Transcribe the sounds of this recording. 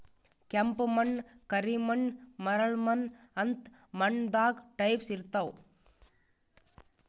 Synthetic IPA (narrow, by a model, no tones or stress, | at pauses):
kɐmpmɐnkɐɾimɐnmɐɾɐɭmɐn | ɐnt̪ | mɐɳd̪aːkʈɐɪpsɪɾt̪ːɐʋ